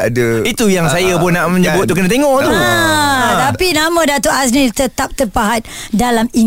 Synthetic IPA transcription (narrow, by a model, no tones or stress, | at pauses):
adəit̪ujaŋsajapʊnːaʔməɲəbʊt̪̚ːukənat̪eŋɔʔt̪uət̪apinamə̃dat̪oʔas̬nit̪ət̪ap̚t̪ərpaɦat̪̚dalami